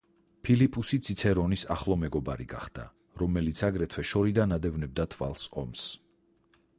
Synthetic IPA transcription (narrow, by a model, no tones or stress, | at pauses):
pʰilipʼusit̪sʰit̪sʰɛɾɔnisaχlˠɔmɛɡɔba̰ɾiɡa̰χd̪̥a̰ | ɾɔmɛlit̪sʰaɡɾɛt̪ʰwɛʃɔɾid̪anad̪ɛvnɛb̚d̪at̪ʰva̰lˠsɔ̰ms